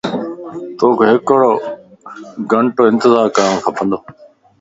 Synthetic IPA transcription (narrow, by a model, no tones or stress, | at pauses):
t̪oːkʰeːɦɪkɽoː | ɡəɳʈoːɪ̃nt̪ɪzaːɾkəɾ̃õkʰəpʰə̃nd̪oː